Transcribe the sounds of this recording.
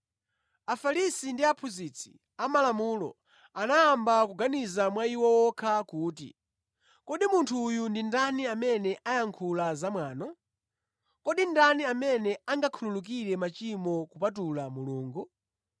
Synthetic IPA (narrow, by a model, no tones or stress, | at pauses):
afalisindiapʰuzit͡sʰi̥̰ | amalamulɔ̰ | anaːmbakuɡanizamwaiwɔwɔkʰakuːtḭ | kɔɗimuntʰujundindaniamɛnɛʔajaŋkʰulazamwaːnɔ | kɔɗindaniamɛnɛaŋɡakʰululuk̬iɾɛmat͡ʃimɔkupat̬ulamuluːŋɡu